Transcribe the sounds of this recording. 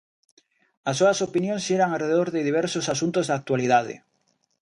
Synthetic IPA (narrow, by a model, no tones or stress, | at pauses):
ɐsːoɐsopinjõŋsʃeɾaŋareðeðoɾðɪðiβ̞ɛɾsosasunt̪ozðak̚t̪waliðaðɪ̰